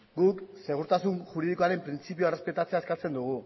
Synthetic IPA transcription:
ɡukse̞ɣ̞uɾt̪asunʝuɾiðiko̞aɾe̞mpɾint͡sipioere̞spe̞t̪at͡seaeskat͡se̞nd̪uɣ̞u

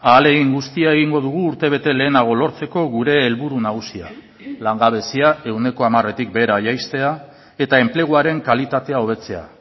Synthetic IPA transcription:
aːle̞ɣiŋɡust̪iae̞ɣiŋɡo̞ð̞uɣ̞uːɾt̪e̞β̞e̞t̪e̞le̞ːnaɣ̞o̞lo̞ɾt͡se̞ko̞ɣuɾe̞ːlβuɾunaɣusia | laŋɡaβ̞e̞siae̞wne̞ko̞amare̞t̪ik̚be̞ɾajajst̪e̞a | e̞t̪ae̞mple̞ɣ̞uaɾe̞ŋkalit̪at̪e̞ao̞β̞e̞t͡se̞a̰

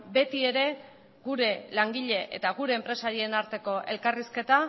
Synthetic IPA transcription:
be̞t̪ie̞ɾe̞ | ɡuɾe̞laŋɡiʎe̞ʔe̞̰t̪aɣuɾe̞ːmpɾe̞saɾie̞naɾt̪e̞ko̞ʔe̞̰lkariske̞t̪a

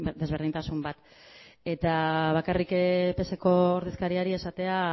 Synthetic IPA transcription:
d̪e̞zβ̞e̞ɾðint̪asumbat̪ | e̞t̪aβakarikpe̞seko̞ːɾðeskaɾiaɾie̞sat̪e̞a

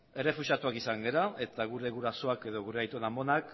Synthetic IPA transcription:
e̞re̞fusat̪uakisaŋɡe̞ɾae̞t̪aɣuɾe̞ɣuɾaso̞ake̞ðo̞ɣuɾeajt̪uenambo̞nak

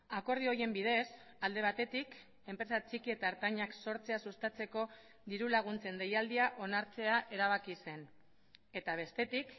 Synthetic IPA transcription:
ako̞ɾðio̞ɾie̞mbiðe̞s | ald̪e̞βat̪e̞t̪ik | e̞mpɾe̞sat͡sikie̞t̪aːɾt̪aɲakso̞ɾt͡se̞asust̪at͡se̞ko̞ | ðiɾulaɣ̞unt͡se̞nd̪e̞jald̪iaʔo̞naɾt͡se̞aʔe̞ɾaβ̞akise̞n | e̞t̪aβ̞e̞st̪e̞t̪ik

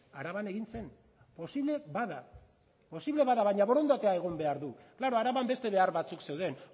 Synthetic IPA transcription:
aɾaβane̞ɣ̞inse̞n | po̞siβle̞βaða | po̞siβle̞βaðaβajɲaβo̞ɾo̞nd̪at̪eae̞ɣ̞o̞mbe̞aɾðuklaɾo̞aɾaβambe̞st̪e̞β̞e̞aɾβat͡sukse̞wðe̞n

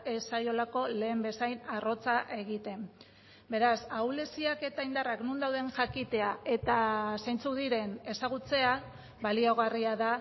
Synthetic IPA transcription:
e̞sajo̞lako̞le̞ːmbe̞sajnaro̞t͡saʔe̞ɣit̪e̞m | be̞ɾasawle̞siake̞t̪aind̪araknund̪awðe̞ŋʝakit̪e̞aʔe̞t̪asajnt͡suðiɾe̞ne̞saɣ̞ut͡se̞a | βalio̞ɣ̞ariaða

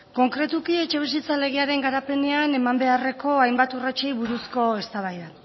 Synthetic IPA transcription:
ko̞ŋkɾe̞t̪ukie̞t͡ʃe̞β̞is̬it͡sale̞ɣ̞iaɾe̞ŋɡaɾape̞ne̞ane̞mambe̞are̞ko̞ajmbat̪urat͡ʃejβuɾusko̞e̞st̪aβ̞ajða

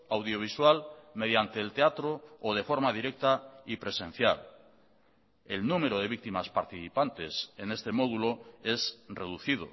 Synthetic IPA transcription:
awðjo̞β̞iswalme̞ðjant̪e̞ːlt̪eat̪ɾoːð̞e̞fo̞ɾmað̞iɾe̞k̚t̪aipɾe̞sẽ̞n̟θjal | e̞lnume̞ɾoð̞e̞βik̚t̪imaspaɾt̪iθipant̪e̞se̞ne̞st̪e̞mo̞ðulo̞e̞sre̞ðuθið̞o̞̰

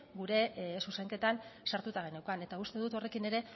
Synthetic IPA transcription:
ɡuɾe̞suseŋke̞t̪ansaɾt̪ut̪aɣenewkane̞t̪aust̪e̞ðut̪o̞re̞kine̞ɾe̞

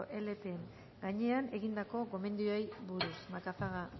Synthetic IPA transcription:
ʔe̞le̞t̪eŋ | ɡaɲe̞ane̞ɣind̪ako̞ɣo̞me̞nd̪iojβuɾusmakafaɣa

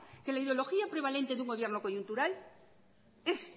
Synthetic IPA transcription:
ke̞laiðeo̞lo̞xiapɾe̞β̞ale̞nt̪e̞ðuŋɡo̞β̞je̞ɾno̞ko̞junt̪uɾal | es

